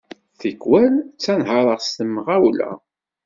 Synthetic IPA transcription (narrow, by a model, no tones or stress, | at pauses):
θəkːwælt͡sːænɦəɾˤəʁst̪əmːəʁæwlæ̰